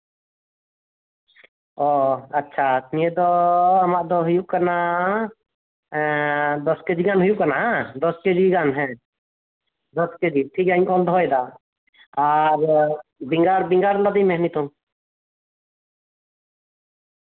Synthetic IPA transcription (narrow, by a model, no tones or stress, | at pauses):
ɔətːʃʰat̪nied̪ɔəmaʔd̪ɔɦujuʔkana | d̪ɔsked͡ʒiɡanɦujuʔkanaɦad̪ɔsked͡ʒiɡanɦɛ̃ | d̪ɔsked͡ʒiʈʰikaɲkɔld̪ʱɔɛd̪a | aɾbiŋɡaɾbiŋɡaɾlɔd̪imɛɦnit̪ɔ̃